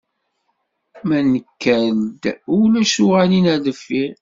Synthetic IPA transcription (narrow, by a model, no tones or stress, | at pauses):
mænəkːæld̪ʊlæʃuʁæninæðəfːi